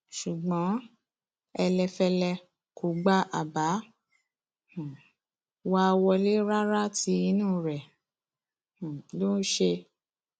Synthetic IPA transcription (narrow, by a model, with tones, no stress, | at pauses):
ʃu˨ɡ͡bɔ̃˨˦ | ɛ˧lɛ˧fɛ˧lɛ˧ | ko˨ɡ͡ba˦ʔa˨ba˨˦ | h | wa˦˧wɔ˧le˦ɾa˦ɾa˦ti˧i˧˦nũ˦˨ɾɛ˨ | h̩˨lo˦n˦ʃe˧